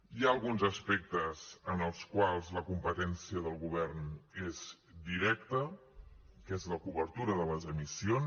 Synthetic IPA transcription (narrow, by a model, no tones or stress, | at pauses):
iaəlˠɣunzəspek̚t̪əzənəlˠskwalˠzləkumpət̪ɛnsiəðəlˠɣuβ̞ɛrnez̥ | d̪iɾɛkt̪ə | kezləkuβəɾt̪uɾəðələzəmision